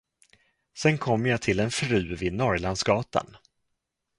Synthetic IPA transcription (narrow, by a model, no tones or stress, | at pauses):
sɛnkʰɔmːjat̪ʰɪlɛnfɾʉ̟ːvɪd̪nɔɾland̪sɡɑːt̪a̰n